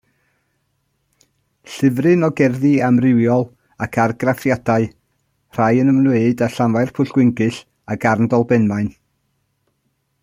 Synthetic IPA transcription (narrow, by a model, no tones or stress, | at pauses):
ɬɨvrɨnɔɡɛrðɨamrɪwjɔlˠ | akʰarɡrafjadaɨ | r̥ajənəmnweɨdaɬanvaɨrpʰʊɬɡ̥wɪŋɡɨɬ | aɡarndɔlˠbɛnmaɨn